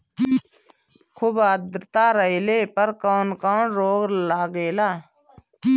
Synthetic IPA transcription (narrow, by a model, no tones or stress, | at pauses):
kʰʊbaːd̪ɾt̪aːɾəileːpəɾkoːnkoːnɾoːɡlaːɡeːlaː